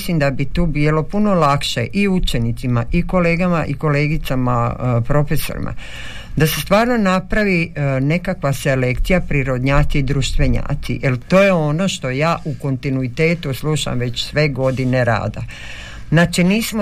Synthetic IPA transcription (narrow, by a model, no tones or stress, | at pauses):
simd̪abit̪uːbiːlo̞puno̞lakʃeʔiut͡ʃe̞nit̪simaʔiko̞leːɡamaʔiko̞le̞ːɡit̪samapɾo̞feso̰ɾḭmʔa̰ | d̪asest̪ʋaːɾno̞napɾaʋine̞kakʋaselekt̪sijapɾiɾod̪ɲaːt̪siːd̪ɾuʃt̪ʋeɲa̰ːt̪sḭjʔelt̪o̞ːjeo̞no̞ʃt̪o̞jaːʔuko̞nt̪inuit̪e̞ːt̪usluʃa̰mʋe̞t͡ɕsʋe̞ɡo̞d̪ineɾa̰ːd̪a̰ | znaːt͡ʃiniːsmo